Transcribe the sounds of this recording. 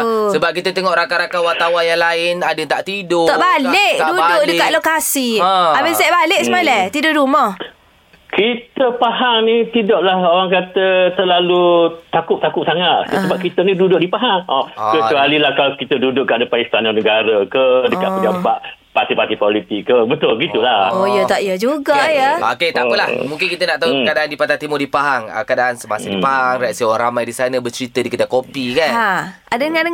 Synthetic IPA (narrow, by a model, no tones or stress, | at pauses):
səbap̚kit̪ət̪eŋɔʔɾakaɾakawat̪awajaŋlaɪnadət̪aʔt̪idʊɔʔbaleʔdudʊʔdəkaʔ̪lokasiɔabesɛʔbalɪʔsəmalat̪idʊʔduməh | kit̪əpaɦaŋnit̪idɔʔlahoɾaŋkat̪ət̪əlalut̪akʊp̚t̪akʊp̚saŋaʔ̪səbapkit̪ənĩdudʊʔ̚dipaɦaŋɔkəəalilahkalakit̪ədudʊʔ̚kːadapaist̪anɔnəɡaɾəkədəkaʔpəapaʔ | pat̪ipat̪ipolit̪ikːəbət̪ʊlɡit̪ulahojət̪aʔjəd͡ʒuɡajaoket̪apəlahmũŋk̬ɪnkit̪ənaʔt̪aukadaʔandipat̪at̪imʊdipaɦaŋə̰kadaʔansəmasəipaɦaŋraʔsioɾaŋramajdisanəbət͡ʃəɾit̪ədikit̪akopikanadəŋanə